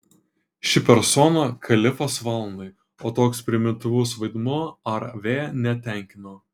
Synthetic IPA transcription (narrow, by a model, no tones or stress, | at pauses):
ʃʲɪpʲɛɾsɔnɐkʰɐlʲɪfoːsʋɐlˠnɐɪ | oːt̪oːkspʲɾʲɪmʲɪnt̪ʊʋʊsʋɐɪd̪muɔɐɾʋʲeːnʲɛt̪ʲɛˑŋʲkʲɪnoː